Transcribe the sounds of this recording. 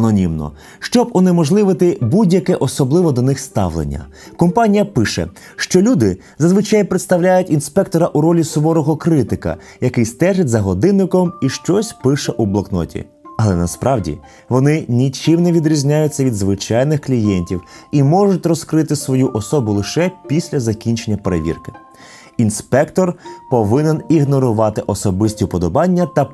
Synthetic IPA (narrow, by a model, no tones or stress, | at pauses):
ɐnɔnʲimnɔ̰ | ʃt͡ʃɔbɔnɪmɔʒlˠɪʋɪt̪ɪbudʲjɐkɛʔɔsɔblˠɪʋɔd̪ɔnɪxst̪ɑ̰ʋlˠḛnʲːɐ̰ | kɔmpɑnʲijɐpɪʃɛ̰ | ʃt͡ʃɔlʲud̪ɪ | zɐzʋɪt͡ʃɑjpɾet̪st̪ɐwlʲajʊtʲinspɛk̚t̪ɔɾɐʔuɾɔlʲisɔʋɔɾɔɦɔkɾɪt̪ɪkɐ̰ | jɐkɪjst̪ɛʒɪtʲzɐɦɔd̪ɪnːɪkɔmiʃt͡ʃɔsʲpɪʃɛʔublˠɐknɔ̰tʲḭ | ɐlˠɛnɐspɾʔɑʋdʲḭ | ʋɔnɪnʲit͡ʃɪmnɛʋʲid̪ɾʲizʲnʲajʊt͡sʲːɐʋʲid̪zʋɪt͡ʃɑjnɪxklʲijɛnʲtʲiwimɔʐʊtʲrɔskɾɪt̪ɪsʋɔjuʔɔsɔbʊlˠɪʃɛpʲisʲlʲɐzɐkʲinʲt͡ʃenʲːɐpeɾḛʋʲḭrkɪ̥ | inspɛkt̪ɔrpɔʋɪnɪniɣnɔɾʊʋɑt̪ɪʔɔsɔbɪsʲtʲipɔd̪ɔbɑnʲːɐt̪ɐ